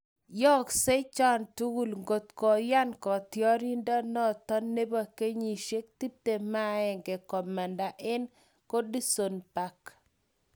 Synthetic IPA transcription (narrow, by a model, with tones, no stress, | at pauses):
jɔ˦kse˦t͡ʃɔ˦ntu˦ɡu˦lŋɡo˨t̪kɔ˨ja˦nkɔ˨tjɔ˦ɾi˦ndɔ˦nɔ˦tɔ˦nːe˦ba˨ke˦ɲi˨ʃe˦k̚t̪i˦p̚te˨ma˦ɛ˨ŋɡɛ˨kɔ˨ma˨nda˨ʔɪ˦n | ko˦di˦so˨npa˦k